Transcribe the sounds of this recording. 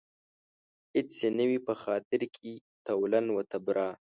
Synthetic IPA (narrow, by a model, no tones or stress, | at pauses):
hɪtsenəwipəxɑːt̪ɪɾkʰi | t̪awlanwət̪abɾʔɑː